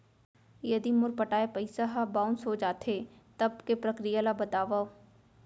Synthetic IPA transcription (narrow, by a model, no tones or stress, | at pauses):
jɐd̪imʊɾpɐʈaːepɐɪsaɦabaːʊnsɦod͡ʒaːt̪ʰet̪ɐb̚kepɾɐkɾijalabɐt̪aːʋa